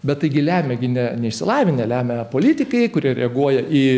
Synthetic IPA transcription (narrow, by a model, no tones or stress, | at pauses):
bʲɛt̪t̪ɐɪɡʲɪlʲæːmʲɛɡʲɪnʲɛnʲɛɪʃʲsʲɪlˠɑːʋʲɪnʲɛlʲæːmʲɛpoːlʲit̪ʲɪkɐɪkʊɾʲiɛɾʲɛɐɡuɔjɛʔiː